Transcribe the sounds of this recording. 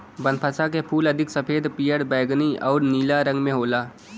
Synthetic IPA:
bənpʰəsak̬epʰuːləd̪ʱɪksəpʰeːd̪ʱpijəɽbəːɡniʔɔ̰ːɾniːlaɾə̃ŋɡmẽɦoːlaː

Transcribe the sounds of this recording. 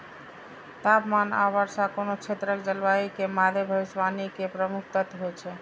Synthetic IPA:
t̪apmana̰βəɾsãkonot͡ʃʰet̪ɾəkd͡ʒəlbaikemad̪ʱebʱəisʋanikepɾəmukʰt̪ət̪ɦot͡ʃʰɛ

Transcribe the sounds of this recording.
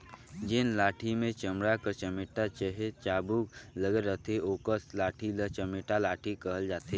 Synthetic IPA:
d͡ʒɪnlaːʈʰimẽt͡ʃəmɽakəɾt͡ʃəmɪːʈat͡ʃəɦet͡ʃaːbukləɡəɾːət̪eoːkəslaːʈʰilət͡ʃəmɪʈalaːʈʰikəɦəld͡ʒaːt̪e

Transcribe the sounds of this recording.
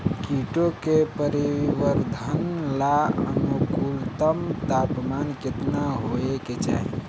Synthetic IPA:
kiʈokepəɾiʋəɾd̪ʱənlaə̰mukult̪əmt̪apmankɪt̪naɦoeket͡ʃa̰ɦḭ

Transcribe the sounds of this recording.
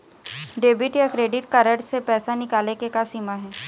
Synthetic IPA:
ɖeːbɪʈjakɾeːɖɪʈkaɾəʈsepɛːsanɪkaːlekekasiːmaɦɛː

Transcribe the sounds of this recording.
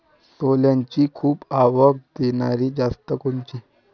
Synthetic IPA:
soljaɲt͡ɕiːkʰuːbaʋəɡ̚d̪enaɾiːd͡zast̪əkoɳt͡ɕiː

